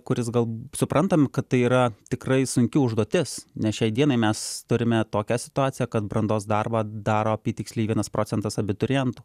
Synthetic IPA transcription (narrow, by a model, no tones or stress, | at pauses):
kʊɾʲɪsɡɐlˠsʊpɾɐnt̪ɐmʲɪkɐt̪t̪ɐɪiːɾɐt̪ʲɪkrɐɪsʊŋʲkʲɪʊʒd̪uɔt̪ʲɪsnʲɛsʃʲɛɪd̪ʲiɛnɐɪmʲɛst̪ʊɾʲɪmʲɛt̪oːkʲɛsʲɪ̥t̪ʊɑːsʲɪjɛkɐt̪brɐnd̪oːsd̪ɐrbɑːd̪ɑːɾoːɐpʲiːt̪ʲɪksʲlʲiɪːʋʲiɛnɐspɾoːt͡s̪ʲɛnt̪ɐsɐbʲɪt̪ʊɾʲɪjɛnt̪uː